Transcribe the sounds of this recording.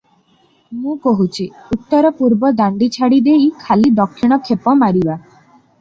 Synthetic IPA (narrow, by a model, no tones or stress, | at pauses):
mũkoɦut͡ʃʰiut̪ːɔɾɔpuɾbɔd̪aɳɖit͡ʃʰaɽid̪ejkʰalid̪ɔkʰːiɽ̃ɔkʰepɔmaɾiba